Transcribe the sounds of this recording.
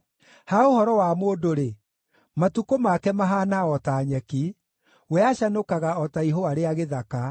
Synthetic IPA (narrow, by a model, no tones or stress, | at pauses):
haohɔɾɔwamoːdoɾe | matukomakɛmaɦanaɔtaːɲɛki | wɛaʃanokaɣaɔtaiɦowaɾeaɣeðaka